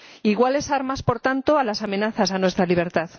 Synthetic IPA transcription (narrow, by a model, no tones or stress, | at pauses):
iɣwale̞saɾmaspo̞ɾt̪ant̪oalasamẽ̞naθasanwe̞st̪ɾaliβ̞e̞ɾt̪að